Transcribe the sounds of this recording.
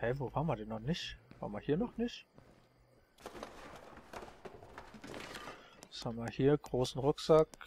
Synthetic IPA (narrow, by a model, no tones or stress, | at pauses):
hɛvoːvaːmaɐdɛnːɔχnɪçv̥a̰ːmahiːɐnɔχnɪç | shamaɐhiːɐɡ̥ʁoːsn̩ʁʊkz̥ak